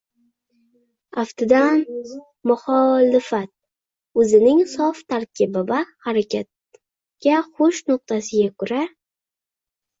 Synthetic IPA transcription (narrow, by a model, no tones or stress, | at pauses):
aft̪ʰɪd̪an | mʊχɒlɪfat̪̚ | ɵzɪnɪŋsɒft̪ʰaɾkʲʰɪbɪbahaɾakʲat̪̚ | ɡ̥ʲaχʊʃnʊq̚t̪asɪɡʲakʰʊɾa